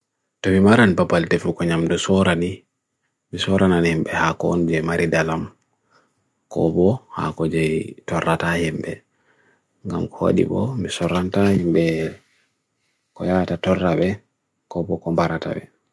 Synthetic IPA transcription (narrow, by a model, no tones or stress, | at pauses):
tɔmimaɾanpapaltɛfukɔɲamdɔsɔɾani | misɔɾananhimbɛhakɔ̰nd͡ʒɛmaɾidalam | kɔ̰bɔha̰kɔd͡ʒɛjtɔrːatahimbɛ | ŋɡamkɔwa̰ɗḭbɔ̰misɔɾantahimbɛ | kɔjatatɔrːabɛ | kɔbɔkɔmbaɾata̰bɛ